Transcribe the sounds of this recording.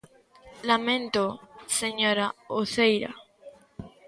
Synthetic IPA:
lamẽnt̪oseɲoɾaoθejɾa̰

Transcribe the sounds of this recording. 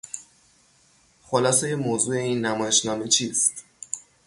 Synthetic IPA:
xolɒːseje̞moːzuːe̞iːnːæmɒːje̞ʃnɒːme̞t͡ʃʰiːst̪

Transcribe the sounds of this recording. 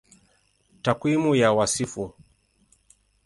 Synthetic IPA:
takwimujawasifu

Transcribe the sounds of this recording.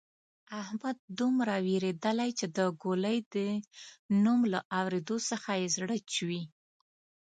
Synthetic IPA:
ahmad̪̚d̪umɾaweɾed̪əlajt͡ʃed̪əɡoləjd̪ə | numlaʔawɾed̪osəxajezɽət͡ʃwi

